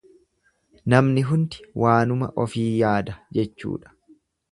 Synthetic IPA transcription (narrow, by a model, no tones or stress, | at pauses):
nɐmnɪɦʊnt̪ɪ̥wʔaːnʊmɐ̰ʔɔfiːjaːd̪ɐd͡ʒɛt͡ʃːṵːᶑɐ̥